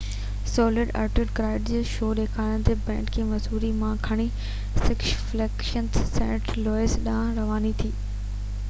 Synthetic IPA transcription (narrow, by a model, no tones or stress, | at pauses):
sɔːlɪɖɐ̰ːɾʈɪɖkɾaːɪɖd͡ʑeːʃoːɗeːkʰaːñt̪ebɛ̃ːɳʈkʰeːmɐzuːɾimãkʰɐɽ̃i | sɪkʃflɛːkʃənsːɛ̰̃ːʈlɔːɪsɗãːɾɐʋaːnit̪ʰiː